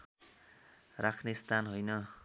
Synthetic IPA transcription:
rakʰnest̪ʰanɦojnʌ

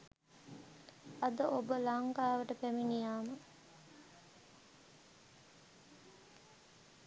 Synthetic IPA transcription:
ɐd̪əʔobəlaŋkaːʋəʈəpæminijaːmə

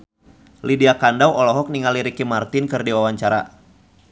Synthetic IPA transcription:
lidiakandawʔɔlɔɦɔk̚niŋaliɾikimart̪ɪnkɨrdiwawaɲt͡ʃaɾa̰

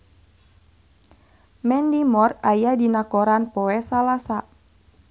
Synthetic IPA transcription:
mɛndimɔrajadinakoɾanpɔɛsalasa

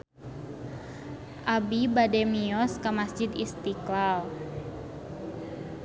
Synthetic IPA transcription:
ʔabibadɛmiɔskamasd͡ʒid̪ist̪iklal

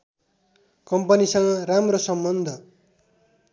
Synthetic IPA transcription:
kʌmpʌnisʌŋɡʌramrosʌmbʌnd̪ʱʌ

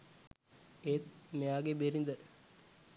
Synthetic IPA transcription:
et̪mjaːɡebeɾind̪ɐ

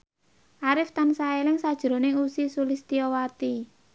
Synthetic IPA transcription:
ʔaɾɪft̪ansaelɪŋsad̥ʒ̥ɾo̤neusisulɪst̪iowat̪i

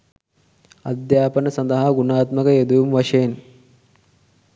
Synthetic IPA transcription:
ɐd̪jaːpɐnɐsɐnd̪ɐɦɐɡunaːt̪mɐkɐjed̪ujumʋɐʂeːn

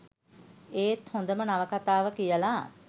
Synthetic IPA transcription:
eːt̪hõnd̪əmənaʋəkat̪aːʋəkijəla

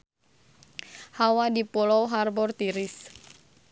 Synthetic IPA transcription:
hawadipɔlɔwɦarbɔrt̪iɾɪs

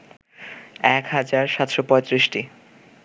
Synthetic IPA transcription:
ɛkhad͡ʑaɾʃat̪ʃopɔet̪ɾiʃʈi

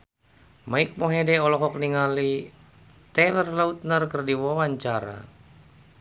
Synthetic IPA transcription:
maik̚moɦedɛɔlɔɦɔk̚niŋali | t̪ɛlərlaut̪̚nərkərdiwawaɲt͡ʃaɾa̰

